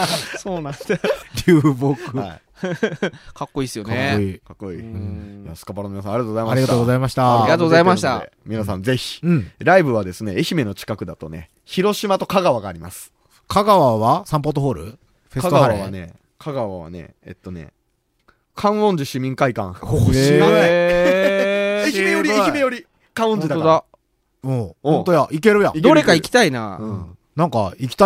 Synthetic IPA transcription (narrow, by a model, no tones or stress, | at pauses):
soːnãɾʲɨːbokɯai | kakːo̞iːsɨjo̞neikakːo̞iːjasɨ̥kapaɾanominas̬ãaɾiat̪oozaimaɾiɡat̪oːɡozaimaɕi̥t̪aaɾiat̪oːɡozaimaɕi̥t̪aḛmʲinas̬ãnd͡ze̞çĩ̥ɾaibɯ̟βad̪e̞sɨne̞eçime̞no̞t͡ɕi̥kakɯ̟d̪at̪o̞ne̞̰ | çiɾo̞ɕimat̪o̞kaɡaβaɡaːɾʲimasɨ̥ | kʰaɡaβaβasãmp̬ot̪oɦoːɾɯ̟̰ | kaɡaane̞̰ | kʰaɡaβaβa̰ne̞̰ḛt̪ːo̞ne̞̰ | kʰãɰ̃õ̞ɲ̟d͡ʑiɕimʲĩŋkaikã̰ | eçimejoɾʲiimejo̞ɾʲi | kãɰ̃õd͡ʑid̪aa | ohõnt̪ojaʔike̞ɾɯja̰id̪eoɾekaikʲi̥t̪aina̰ɯ̃ | nãŋka̰ikʲi̥t̪a